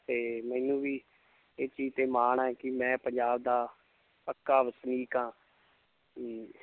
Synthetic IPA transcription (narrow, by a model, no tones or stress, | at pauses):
t̪eːmɛːnũːʋiː | eːt͡ʃiːd͡ʒt̪eːmaːɳɛ̃ːkɪmɛ̃ːpəɲd͡ʒaːbd̪aː | əkːaːʋəsniːkãː